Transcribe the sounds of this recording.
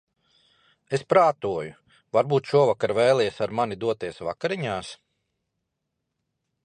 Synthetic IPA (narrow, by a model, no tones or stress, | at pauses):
espɾaːt̪uɔju | vaɾbuːt̪ʃuɔvakaɾvɛːlˠiːɛsaɾmanid̪uɔt̪iɛsva̰kaɾiɲaːs